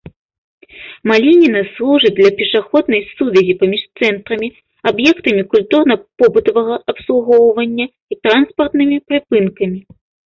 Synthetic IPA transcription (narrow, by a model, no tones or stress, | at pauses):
malʲinʲinɐslˠuʐɨd̪lʲɐpʲɛʂaxɔd̪̚nɐjsuvʲɛzʲipamʲiʂt̪sɛnt̪ɾɐmʲi | abjɛkt̪ɐmʲikulʲt̪urnɐpɔbɨt̪ɐvɐɣɐʔɐpslˠuɣɔwvɐnʲːɐ | it̪ɾanspɐrt̪nɨmʲipɾɨpɨnkɐmʲi